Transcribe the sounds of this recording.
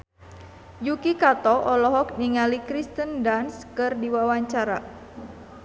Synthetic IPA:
jukikat̪ɔʔɔlɔɦɔk̚niŋalikɾist̪əndanskɨrdiwawaɲt͡ʃaɾa

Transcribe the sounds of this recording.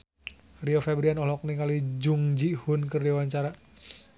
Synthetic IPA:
riɔfɛbɾianɔlɔk̚nikalid͡ʒuŋd͡ʒihʊnkərdiwaɲt͡ʃaɾa

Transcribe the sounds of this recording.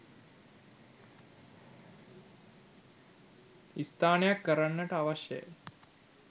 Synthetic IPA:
ist̪ʰaːnjakːəɾaɳːɐʈaʋɐʃjḛ

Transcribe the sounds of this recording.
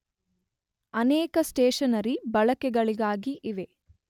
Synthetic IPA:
ɐneːkɐsʈeːʃɐnɐɾibɐɭɐkɛɡɐɭiɡaːɡiʔiʋe̞

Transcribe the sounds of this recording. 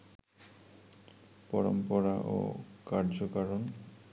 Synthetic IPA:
pɔɾɔmpɔɾaʔo̰kaɾd͡ʑokaɾɔn

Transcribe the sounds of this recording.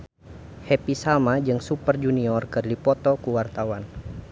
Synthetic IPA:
hɛpisalmad͡ʒɨŋsupərd͡ʒuniɔrkɨrdipɔt̪ɔkuwart̪awan

